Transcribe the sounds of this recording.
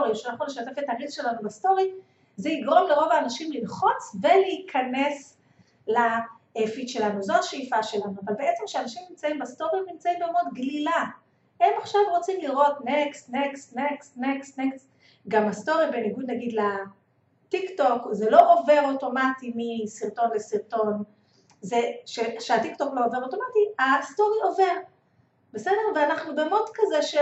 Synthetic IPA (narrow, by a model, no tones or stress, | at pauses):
oʁiʃanaχnule̞ʃate̞fetaʁizʃe̞lanubasto̞ʁi | zeiɡʁo̞mleʁo̞vaːnaʃimlinχo̞t͡sve̞leikʰane̞s | la | efitʃe̞lanuzo̞haʃeifaʃe̞lanuavalbe̞e̞t͡se̞mkʃeanaʃimnimt͡saimbasto̞ʁimnimt͡saimbeomodɡlila | e̞maχʃavʁo̞t͡simliʁo̞tneksneksnekstneksneks | ɡamasto̞ʁibeniɡud̪naɡid̪la | tikto̞kzelo̞ʔove̞ʁoto̞matimisiʁto̞nlesiʁto̞n | zeʃeʃeatikto̞kloove̞ʁoto̞matiasto̞ʁio̞ve̞ʁ | b̥e̞sede̞ʁveanaχnubemodkazeʃe